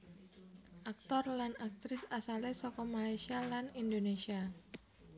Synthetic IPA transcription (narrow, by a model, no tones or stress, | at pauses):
ʔak̚t̪ɔrlanak̚t̪ɾɪsasalesɔkɔmalajsialanindonesia